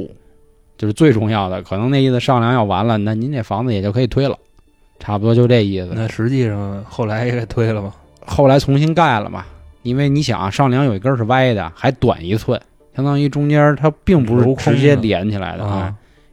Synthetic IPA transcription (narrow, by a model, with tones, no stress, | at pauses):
t͡ɕjo˥˧ʊʂɻ̩˥˧t͡swe˥˧ɪʈ͡ʂʊ˥˧ŋjɑ˥˩ʊd̪ə˩kʰɤ˨˩nɤ˧˥ŋne˥˧ɪi˥˩ʂɑ˥˩ŋljɑ˧˥ŋjɑ˥˩ʊwa˧˥nlə˧na˥˩ni˧˥nɛ˥˩fɑ˧˥ŋd͡zɹ̩˧jɛ˨˩t͡ɕo˥ʊkʰɤ˧˥i˨˩t̪ʰwe˥ɪlə̰˨˩ | ʈ͡ʂʰa˧˥pu˧˩wɔ˥t͡ɕjo˧ʈ͡ʂe˥˧ɪi˥˩sɹ̩˩a˥˩ʂɻ̩˧˥t͡ɕi˥˧ʂɑ˥˩ŋxo˥˩ʊla˧˥ɪjɛ˧˥ka˥˩ɪt̪ʰwe˥ɪlə˨mɐ˩ | xo˥˩ʊla˧˥ɪt͡sʰʊ˧˥ŋɕ̬i˥nka˥˩ɪlə̰˩mɐ̰˩i˥nwe˥˩ɪni˧˥ɕjɑ̰˨˩˦ŋ˦ʂɑ˥˩ŋljɑ˧˥ŋjo˨˩ʊi˧˥ə˞˥˧ʂɻ̩˥˧wa˥˧ɪ˥˩d̪ə̰˩xa˧˥ɪt̪wa̰˨˩ni˧˥t͡sʰwə˥˩n | ɕjɑ˥ŋt̪ɑ˥ŋi˥˧ʈ͡ʂʊ˥ŋt͡ɕjɛ˥t̪ʰa˥pi˥˩ŋpu˧˥ʂɻ̩˥˧ʈ͡ʂ̩ʰ˥˧˥t͡ɕt͡ɕjɛ˥ljɛ˧˥nt͡ɕʰi˨˩la̰˧˥ɪd̪ə̰˧˥˩